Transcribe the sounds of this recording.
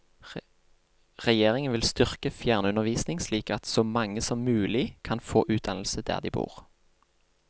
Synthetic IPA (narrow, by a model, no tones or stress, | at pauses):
ʁɛjeːʁɪŋənʋɪlst̪ʏʁkəfjæːʁnəʉnəʁʋiːsnɪŋsliːkɑt̪soːmɑŋːəsɔmːʉːlɪkʰɑnfoːʔʉːt̪̚d̪ɑnl̩səd̪æ̰ːʁd̪ḭːbṵːʁ